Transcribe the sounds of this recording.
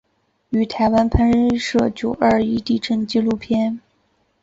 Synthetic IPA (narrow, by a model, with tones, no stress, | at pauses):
y˨˩t̪ʰa˧˥ɪwa˥npʰə˥nɻə˥ʂɤ˥˩t͡ɕjo˨˩ʊʔə˞˥˧i˥˧t̪i˥˩ʈ͡ʂʰə˥˩nt͡ɕi˥lu˥˩pʰjɛ˥n